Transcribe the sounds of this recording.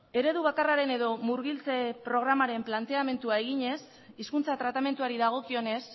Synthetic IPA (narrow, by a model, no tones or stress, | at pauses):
e̞ɾe̞ðuβ̞akaraɾe̞ne̞ðo̞muɾɣ̞ilt͡se̞pɾo̞ɣ̞ɾamaɾe̞mplant̪e̞ame̞nt̪uae̞ɣiɲe̞s | iskunt͡sat̪ɾat̪ame̞nt̪uaɾiðaɣ̞o̞kio̞ne̞s